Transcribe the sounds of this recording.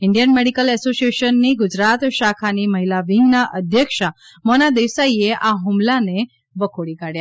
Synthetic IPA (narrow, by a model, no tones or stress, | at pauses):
iɳɖijənmeɽikəlɛsosieɕənːiːɡud͡ʑɾat̪ʃakʰaniːməɦilaʋiŋɡnaʔəd̪ʱjəkʂa | mɔnad̪eʋsajeʔaɦumlane | bəkʰoɽikaɽja